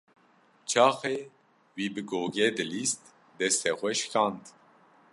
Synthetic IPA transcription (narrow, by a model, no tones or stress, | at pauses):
t͡ʃʰɑːxe | wiːbɨɡoːɡɛd̪ɨlist̪ | d̪ɛst̪ɛxʷɛʃkʰɑːnt̪